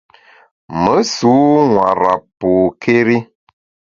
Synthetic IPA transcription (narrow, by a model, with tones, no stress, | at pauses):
mə˨˦su˨˦ŋwa̰˨ɾa˨po˨kʰe˦ɾi˦